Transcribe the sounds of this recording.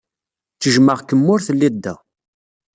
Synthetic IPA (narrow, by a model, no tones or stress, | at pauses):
t͡sːəʒməʁkəmːʊɾθəlːid̪ːæ̰